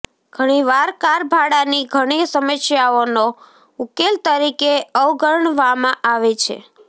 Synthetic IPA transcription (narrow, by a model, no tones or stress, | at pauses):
ɡ̥ʱəɽ̃iʋaɾkaɾbʱaɽaniɡʱəɽ̃isəməʃjaono | ukelt̪əɾikeəwɡəɾɳʋamãʔaʋet͡ʃʰḛ